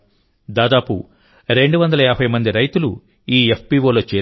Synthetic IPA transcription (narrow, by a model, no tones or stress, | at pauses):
d̪aːd̪aːpṵ | ɾe̞ɳɖuʋɐnd̪ɐlɐjaːbʰʱɐjmɐnd̪iɾɐjt̪ulu | iːepʰpiːʋoːloːt͡ʃeː